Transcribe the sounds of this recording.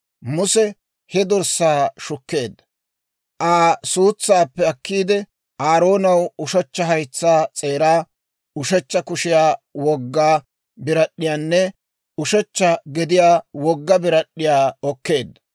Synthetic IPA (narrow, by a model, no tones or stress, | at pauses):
mʊsɛ | hɛd̪ɔɾsaːʃʊkːe̞ːd̪ːɐ̥ | ʔaːsuːt͡sːaːpːɛɐkːiːd̪ɛ | aːɾo̞ːnɐwʊʃɛt͡ʃːɐɦɐjt͡sːaːt͡sʼe̞ːɾaː | ʊʃɛt͡ʃːɐkʊʃɪjaːwɔɡːaː | bɪɾɐɗːɪjaːnːɛ | ʊʃɛt͡ʃːɐɡɛd̪ɪjaːwɔɡːɐbɪɾɐɗːɪjaːɔkːe̞ːd̪ːɐ̥